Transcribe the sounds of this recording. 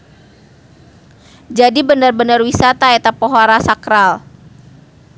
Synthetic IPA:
d͡ʒadibənərbənərwisat̪aɛt̪apɔɦoɾasakɾal

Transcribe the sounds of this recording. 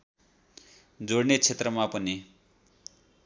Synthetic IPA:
d͡zoɽnet͡sʰet̪rʌmapʌni

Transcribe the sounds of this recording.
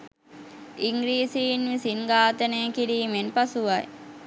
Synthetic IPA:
iŋɡɾiːsiːnʋisinɡaːt̪əneːkiɾiːmenpasuʋaj

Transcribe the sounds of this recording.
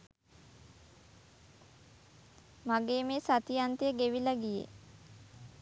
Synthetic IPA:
maɡeːmeːsat̪ijant̪ejəɡeʋiləɡijḛ

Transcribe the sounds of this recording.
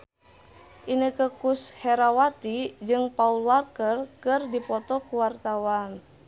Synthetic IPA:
ʔinəkəkushɛɾawat̪id͡ʒɨŋpaulwarkərkɨrdipɔt̪ɔkuwart̪awan

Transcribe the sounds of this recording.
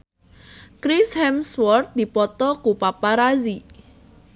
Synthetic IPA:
kɾishɛmswɔrt̪̚d̪̥i̤pɔt̪ɔkupapaɾazi

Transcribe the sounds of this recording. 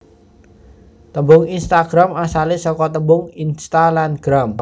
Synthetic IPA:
t̪əmbʊŋinst̪aɡ̥ɾamasalɪsɔkɔt̪əmbʊŋinst̪alanɡ̥ɾam

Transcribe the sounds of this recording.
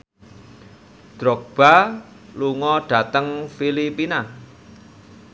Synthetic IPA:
d̪̥ɾɔk̚b̥a | luŋɔɖ̥ä̤t̪əŋfilipina

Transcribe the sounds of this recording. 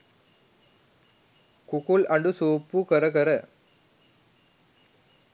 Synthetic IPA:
kukulɐɳɖɯsoːpːukɐɾɐkɐɾɐ

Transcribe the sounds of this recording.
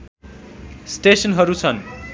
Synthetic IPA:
sʈesʌnɦʌɾut͡sʰʌn

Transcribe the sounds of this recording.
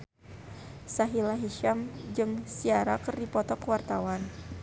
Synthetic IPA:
saɦilaɦiʃamd͡ʒɨŋsiaɾakɨrdipɔt̪ɔkəwart̪awan

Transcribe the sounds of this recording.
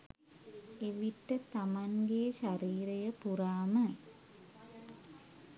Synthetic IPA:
eʋiʈːət̪amanɡeːʃaɾiːɾejəpuɾaːmə

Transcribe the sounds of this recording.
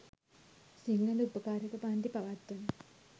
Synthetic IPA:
siŋːɐlupːɐkaːɾɐkːɐpaːnd̪ipɐʋɐt̪ːun

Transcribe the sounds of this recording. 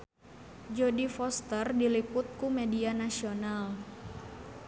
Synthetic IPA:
d͡ʒɔdifɔst̪ərdilipʊt̪̚kumedianasional

